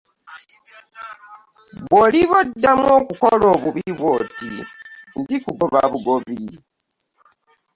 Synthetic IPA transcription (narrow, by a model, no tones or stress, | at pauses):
βoliβodːamwo̞ːkukolo̞ːβuβiβwoːtḭndikuboβa̰βuɡoβi